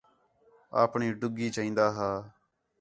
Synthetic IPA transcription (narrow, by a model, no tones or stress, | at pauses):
a̰ːpɳiːɖʊɡiːt͡ʃaːĩːnd̪aːɦaː